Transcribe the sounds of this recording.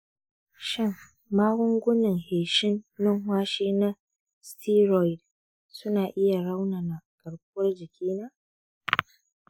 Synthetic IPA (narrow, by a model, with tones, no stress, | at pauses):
ʃɪ˦ŋː | aː˦wʊ˦ŋɡʷʊ˦nɪ˨ŋheː˨ʃɪ˦nːɪ˦ŋɦwaː˦ʃiː˦na˦ | stʰiː˦ɾɔ˨jd | sʊ˦naː˨ʔɪ˦ja˨ɽa˦wnaː˨na˨kʼɐ˨ɽkʊ˦wɐ˦rd͡ʒɪ˨kʲʰiː˦naː˦ʔ